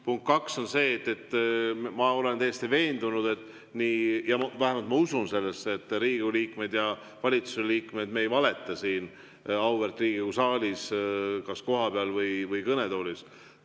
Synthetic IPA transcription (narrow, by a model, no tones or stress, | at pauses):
puŋk̚t̪kɑkso̞nse̞ːt̪ːe̞t̪ːmɑo̞le̞nt̪æjest̪ive̞ːnd̪̥unud̪̥e̞t̪ːˑ | niːjɑvæɦemɑlt̪mɑusunse̞lːesːet̪ːˑɾiːɡuliːkme̞d̪̥jɑ | vɑlʲit̪suseliːkme̞d̪mejvɑle̞t̪ːˑɑsiːn | ɑwvert̪riːɡikusɑːlʲiskɑsko̞ɦɑpeɑlvɯjvɯjkɤne̞t̪o̞ːlis